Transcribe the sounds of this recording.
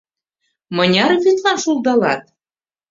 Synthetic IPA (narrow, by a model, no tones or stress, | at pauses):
mɤ̆nʲɑrβyt̪lɑnʃulˠd̪ɑlɑ̰t̪